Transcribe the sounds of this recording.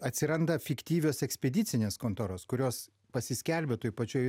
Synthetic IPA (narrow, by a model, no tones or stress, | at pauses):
ɐt̪ʲsʲɪɾɐnd̪ɐfʲɪkt̪ʲiːʋʲoːsɛksʲpʲɛd̪ʲɪt̪sʲɪnʲeːskoːnt̪oːɾoːskʊɾʲoːs | pɐsʲɪsʲkʲɛlʲbʲet̪uːjpɐt͡ʃʲuːj